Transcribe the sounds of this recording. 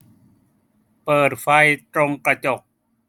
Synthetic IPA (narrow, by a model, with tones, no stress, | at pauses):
pɤː˨˩t̪̚fa˧jt̪ɾo˧ŋkɾa˧t͡ɕo˨˩k̚